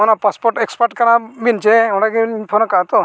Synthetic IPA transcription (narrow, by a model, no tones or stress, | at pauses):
ɔnapaspɔɾʈekspaɾʈkanabint͡ʃɛɔ̃ɽaɡiipʰɔnɔkat̪ɔ